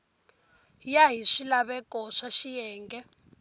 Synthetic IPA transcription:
jaɦiʂilaβɛkʼɔʂaʃijɛːŋɡɛ

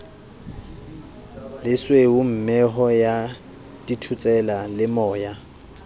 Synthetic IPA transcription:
lɪsweʊm̩mɛɦɔja | d̥itʰut͡sʼɛlalɪmɔːja

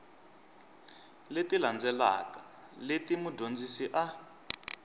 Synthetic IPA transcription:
letiland͡zɛla̰ka | letimudʱond͡zisiʔa

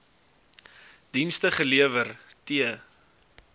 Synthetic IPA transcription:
d̥instəχəliəvərtiə

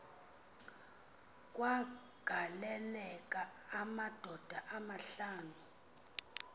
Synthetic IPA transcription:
kʼwa | ɡ̥ʱalɛlɛkʼaːmad̥ʱɔd̥ʱaʔamaɬaːnu

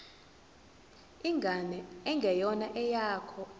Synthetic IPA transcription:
iŋɡʱanɛɛŋɡʱɛjɔnaʔɛjaːkʰɔ

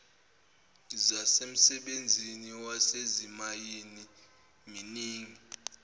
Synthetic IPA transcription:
zasem̩sɛɓend͡zʱiniwasezimajini | miniːŋi

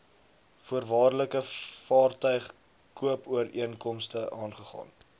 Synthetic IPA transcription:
fuərvɑːrləkəfɑːrtœɥχ | kuəpuəɾiənkɔmstəʔɑːnχəχɑ̰ːn

